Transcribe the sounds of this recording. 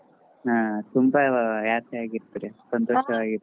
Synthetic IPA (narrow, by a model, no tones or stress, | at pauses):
aːt̪umbɐjaːt̪ʰɐjaːɡiɾt̪ːɐɾesɐnt̪oːʂɐʋaːɡi